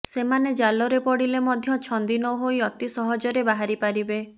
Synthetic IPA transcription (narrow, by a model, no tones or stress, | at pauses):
semaned͡ʒalɔɾepɔɽilemɔd̪ʱjɔt͡ʃʰɔnd̪inɔɦojɔt̪isɔɦɔd͡ʒɔɾebaɦaɾipaɾibe